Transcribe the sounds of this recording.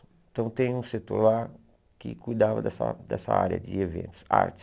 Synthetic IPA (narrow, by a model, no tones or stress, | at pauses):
t̪ɐ̃w̃t̪ẽj̃ũset̪uɾlaɾ | kɪkujd̪avɐd̪ɛsɐ̰d̪ɛsɐa̰ɾjɐ̰d͡ʒɪevḛ̃nt̪ʊ̥sa̰ɾt͡ʃ̪ɪ̥